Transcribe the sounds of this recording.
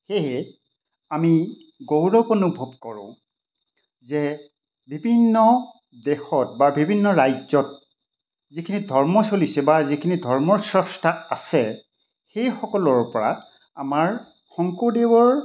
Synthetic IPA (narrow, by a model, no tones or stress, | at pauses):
xeɦɛ | ami | ɡowɹɔkonubʱɔb̚kɔɹʊ̰̃ | zɛ | bibʱinːɔ | dɛxɔtbabibʱinːɔɹajzɔt̚ | zikʰinidʱɔɹmɔsolisɛbazikʰinidʱɔɹmɔɹsɹɔstʰaasɛ | xejxɔkɔlɔɹpɔɹa̰ | amaɹ | xɔŋkodewɔɹ